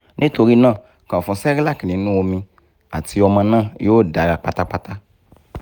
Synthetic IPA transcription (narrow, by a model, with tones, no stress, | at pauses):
nĩ˦t̪o˧ɾi˦nã˦˨ | kã˨fɔ̃˧sɛ˦ɾi˦la˦˨ki˨nĩ˨˦nũ˦wo˧mĩ˧ | a̰˨ti˧ɔ˧mã˧nã˦˨jo˦o˦˨da˨ɾa˨k͡pa˦t̪a˦k͡pa˦t̪a˦